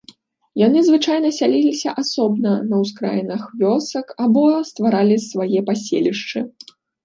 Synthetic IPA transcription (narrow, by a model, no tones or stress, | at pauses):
janɨzvɨt͡ʂajnɐsʲalʲilʲisʲɐʔasɔbnɐnɐwskɾa̰jnɐxvʲɔsɐkabɔst̪vaɾalʲisvajɛpasʲḛlʲiʂt͡ʂɨ